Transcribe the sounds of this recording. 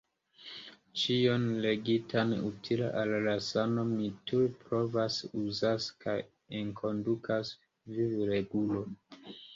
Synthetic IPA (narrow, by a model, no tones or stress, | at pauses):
t͡ʃionle̞ɡitʰanutʰila̰ʔallasano̞mitʰuɾpɾo̞vasuzaskʰaj | enkʰo̞ndukʰas | vivɾe̞ɡulo̞